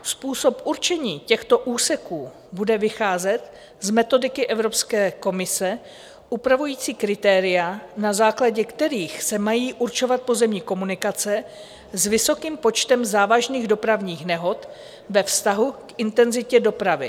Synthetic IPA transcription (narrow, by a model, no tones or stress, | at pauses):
spuːso̞pʔuɾt͡ʃɛɲiːcɛxt̪o̞ʔuːsɛkuː | budɛvɪxaːzɛt̪ | zmɛt̪o̞dɪkɪʔɛvɾo̞pskɛːko̞mɪsɛ | ʔupɾavujiːt͡siːkɾɪt̪ɛːɾɪjanazaːklaɟɛkt̪ɛɾiːxsɛmajiːʔuɾt͡ʃo̞vat̪̚po̞zɛmɲɪko̞munɪkat͡sɛ | zvɪso̞kiːmpo̞t͡ʃt̪ɛmzaːvaʒniːɣdopɾavɲiːxnɛɦo̞t̪ | vɛfst̪aɦukɪnt̪ɛnzɪcɛdo̞pɾavɪ̰